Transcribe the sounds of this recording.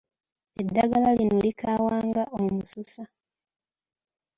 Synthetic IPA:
e̞dːaɡalalinolikaːwaːŋɡaʔoumususa

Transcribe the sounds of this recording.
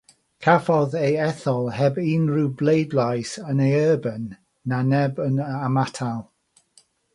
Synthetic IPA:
kʰafɔðejɛθɔlˠhɛbinrublˠejdlajsənejəːbənː | anɛbənamatʰalˠ

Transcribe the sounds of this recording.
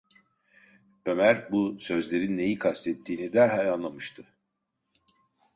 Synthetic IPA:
ø̞mæɾbusø̞zlʲe̞ɾinːe̞jikʰast̪ʰɛt̪ʰːiːnid̪æɾɦalʲanlˠamɯʃt̪ʰɯ

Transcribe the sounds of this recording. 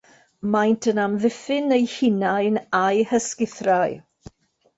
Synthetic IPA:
majntʰənamðɪfɪnejhɪnajnajhəskɪθraj

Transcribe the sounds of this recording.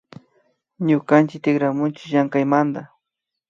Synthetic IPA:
ɲʊkant͡ʃɪk̚t̪ɪɡɾamʊnt͡ʃɪ̥ʒaŋkajmand̪a

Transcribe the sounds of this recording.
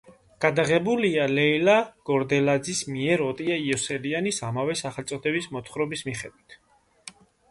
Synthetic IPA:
ɡ̥ad̪aʁɛbulialɛilaɡ̥ɔɾd̪ɛlad̪zismiɛɾɔt̪ʼiaiɔsɛlianisamavɛsaχɛlt̪sʼɔt̪ʰɛbismɔt̪ʰχɾɔbismiχɛd̪wit̪ʰ

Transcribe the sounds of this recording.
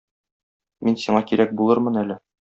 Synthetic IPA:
minsiɴɑkiɾʔæk̚bulˠɤɾmɤnælɘ

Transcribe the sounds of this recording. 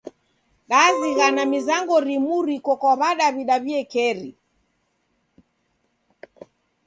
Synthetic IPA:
ɗaziɣanamizaŋɡɔɾimuɾikɔkɔβaɗaβiɗaβiɛkɛɾḭ

